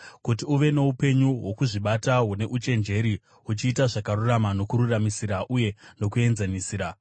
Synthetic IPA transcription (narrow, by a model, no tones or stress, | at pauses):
kut̬iuʋe̞no̞upe̞ɲuwo̞kuʐiɓataɦune̞ʔut͡ʃe̞nd͡ʒe̞ɾi | ut͡ʃiːtaʐakaruramano̞kuɾuramisiɾaʔuje̞no̞k̬ue̞nzanisiːɾa